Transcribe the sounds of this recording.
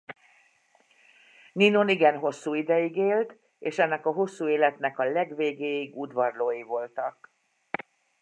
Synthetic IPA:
nino̞niɡɛnɦo̞sːuːid̪ɛjiɡeːlt̪ | eːʃɛnːɛkɒɦo̞sːuːeːlɛt̪nɛkɒlɛɡveːɡeːjiɡud̪ʋɒrloːjivo̞lt̪ɒk̚

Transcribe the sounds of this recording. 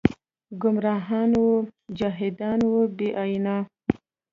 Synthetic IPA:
ɡʊmɾɑːɦɑːnwud͡ʒɑɦɪd̪ɑːnwubeʔɑjnɑ

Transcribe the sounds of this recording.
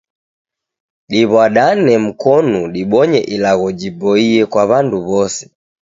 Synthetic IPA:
ɗiβwaɗanɛm̩kɔnuɗiɓɔɲɛ̰ʔilaɣɔd͡ʒibɔiɛkwaβanduβɔsɛ̥

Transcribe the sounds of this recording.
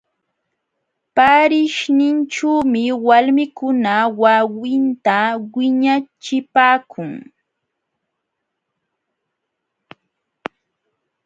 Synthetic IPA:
paɾɪʃnɪnʈ͡ʂuːmɪwalmɪkʊnawawɪnt̪awɪɲat͡ʃɪpaːkʰʊŋ

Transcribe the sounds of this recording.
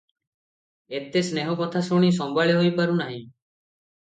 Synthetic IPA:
et̪esneɦɔkɔt̪ʰasoɽ̃is̬ɔmbʱaɭjɦojpaɾunaɦĩ

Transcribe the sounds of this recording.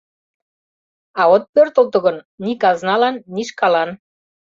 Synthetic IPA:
ɑot̪̚pørt̪ə̆lt̪ə̆ɣɤ̆nnikɑznɑlɑnːiʃkɑlɑn

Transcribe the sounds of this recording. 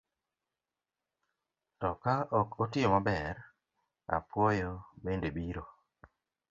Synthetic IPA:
tɔkaʔɔkotɪomabɛɾ | a̰pwojobendebiɾo

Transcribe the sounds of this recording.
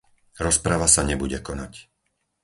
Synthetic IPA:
ɾɔspɾaʋasaɲɛbuɟɛkɔnac

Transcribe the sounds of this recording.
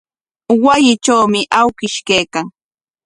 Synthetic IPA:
wajɪt͡ʃawmɪʔawkɪʃkejkaŋ

